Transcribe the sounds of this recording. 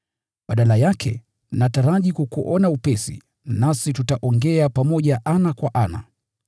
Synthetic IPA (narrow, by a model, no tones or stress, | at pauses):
ɓaɗalajakʰɛ̰ | nataɾaʄikukuʔɔnaupɛsḭ | nasitutaʔɔŋɡɛapamɔʄaʔanakwaʔana̰